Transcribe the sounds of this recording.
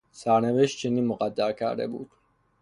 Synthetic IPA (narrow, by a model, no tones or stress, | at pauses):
saɾnɛvɛʃt͡ʃʰinimɔqʼad̪aɾkʰa̰ɾɛ̰bṵt̪ʰu̥